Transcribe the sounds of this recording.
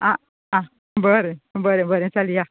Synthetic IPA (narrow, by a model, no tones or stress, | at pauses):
ã | ã | bəɾebəɾebəɾẽt͡salija